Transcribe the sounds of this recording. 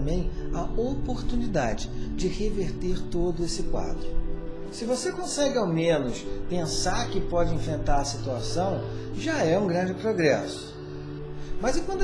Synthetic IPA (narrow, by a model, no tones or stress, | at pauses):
mbẽj̃ɐopoɾt̪unid̪ad͡ʒɪd͡ʒɪheveɾt̪eɾt̪od̪ʊesɪkwa̰d̪ɾʊ | sɪvosekõsɛɡɪawmẽnʊspẽsaɾkɪpɔd͡ʒɪẽfɾẽnt̪aɾɐsit̪uasɐ̃w̃ʒaɛũɡɾɐ̃d͡ʒɪpɾoɡɾɛsʊ̥ | mɐzɪkwɐ̃nd̪